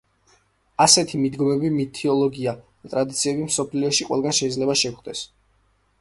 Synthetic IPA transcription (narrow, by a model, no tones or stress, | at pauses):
asɛt̪ʰimid̪ɡɔmɛbimit̪ʰiɔlˠɔɡiad̪̥at̪ʼɾad̪it̪sʰiɛbimsɔpʰliɔʃiqʼwɛ̰lˠɡanʃɛid̪zlɛbaʃɛkχd̪ɛs